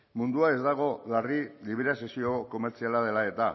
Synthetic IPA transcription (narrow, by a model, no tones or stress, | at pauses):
mund̪uae̞zd̪aɣ̞o̞lariliβeɾase̞sio̞ko̞meɾt͡sialað̞e̞lae̞t̪a